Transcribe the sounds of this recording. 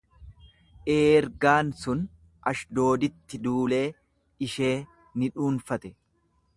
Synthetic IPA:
ʔeːɾɡaːnsʊn | ʔɐʃd̪o̞ːd̪ɪt̪ːɪd̪uːle̞ː | ɪʃe̞ː | nɪᶑuːnfɐt̪ɛ

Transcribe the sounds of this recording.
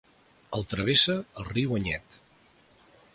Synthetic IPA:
əlˠt̪ɾəβ̞esəəlˠriwəɲɛ̰t̪

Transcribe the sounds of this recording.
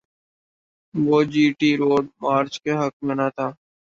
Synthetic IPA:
ʋoːd͡ʒiːʈiːɾoːɖmaːɾt͡ʃkeɦəkmẽːnat̪ʰaː

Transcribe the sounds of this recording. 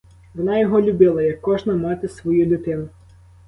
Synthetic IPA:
ʋɔnɑjɔɦɔlʲʊbɪlˠɐjɐkːɔʒnɐmɑt̪ɪsʋɔjulʲʊt̪ɪnʊ

